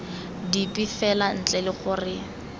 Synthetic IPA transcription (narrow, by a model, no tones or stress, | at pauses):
dipʼifɛlan̩t͡ɬʼɛlɪχʊrɪ